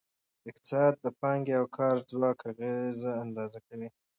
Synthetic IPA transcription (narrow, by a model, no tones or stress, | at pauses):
ɪq̚t̪ɪ̥sɑd̪̚ːəpɑŋɡeawkʰɑɾd͡zwɑkaɣezaand̪ɑzakawi